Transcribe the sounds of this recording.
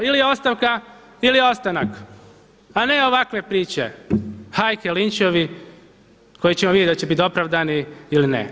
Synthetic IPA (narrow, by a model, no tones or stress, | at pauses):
ilio̞st̪aʋka | ilio̞st̪anak | ane̞oʋakʋe̞pɾiːt͡ɕe̞̰hajkelint͡ʃoʋi | ko̞jit͡ɕemoʋid̪ʲjed̪at͡ɕebit̪o̞pɾaʋd̪aniilinḛ